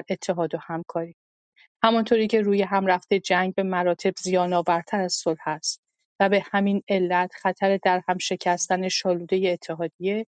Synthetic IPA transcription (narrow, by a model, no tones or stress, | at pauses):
ɾʔe̞t̪ʰːe̞ɦɒːd̪ohæmkʰɒːɾiː | hæmɒnt̪ʰoːɾiːcʰe̞ɾuːje̞ɦæmræft̪e̞d͡ʒæŋɟ̚be̞mæɾɒːt̪ʰe̞bzijɒːnɒːvæɾt̪ʰæɾæz̥solhæst̪ | væbe̞hæmine̞lːæt̪ʰxæt̪ʰæɾe̞d̪æɾhæmʃe̞cʰæst̪æne̞ʃɒːluːd̪e̞jeːt̪ʰːe̞ɦɒːd̪ije̞